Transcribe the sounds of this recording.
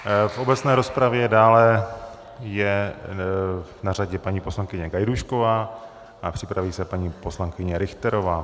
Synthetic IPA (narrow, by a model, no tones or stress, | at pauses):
fʔo̞bɛt͡snɛːɾo̞spɾavjɛdaːlɛ | jɛ | naraɟɛpaɲiːpo̞slaŋkɪɲɛɡajduʃko̞vaː | ʔapr̥ɪpɾaviːsɛpaɲiːpo̞slaŋkɪɲɛɾɪxt̪ɛɾovaː